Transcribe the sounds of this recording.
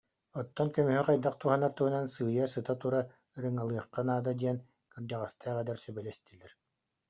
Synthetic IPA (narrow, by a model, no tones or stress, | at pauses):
ɔt̪ːɔnkœmyɦyqajd̪aq̚t̪uɦanaɾt̪uɦunansɯːjasɯt̪at̪uɾa | ɯɾɯŋalˠɯɐχqːanaːd̪ad̪iɛn | kɯɾd̪aʁast̪aːʁɛd̪ɛɾsœbɛlɛst̪ilɛɾ